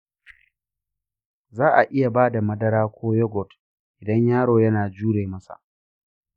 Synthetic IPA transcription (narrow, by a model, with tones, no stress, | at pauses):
zaː˦ʔa˨ʔɪ˦ja˨baː˦da˨mɐ˦dɐ˦ɾaː˦kʷʰoː˦jɔ˦ɡɔ˨t | ʔɪ˨dɐ˦ɲjaː˦ɽoː˨jɐ˦naː˨d͡ʒuː˦ɽeː˨mɐ˦sa̰˨